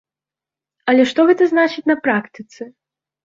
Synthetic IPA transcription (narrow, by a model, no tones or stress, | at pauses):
ɐlʲɛʂt̪ɔɣɛt̪ɐznat͡ʂɨt͡sʲnɐpɾakt̪ɨt̪sɨ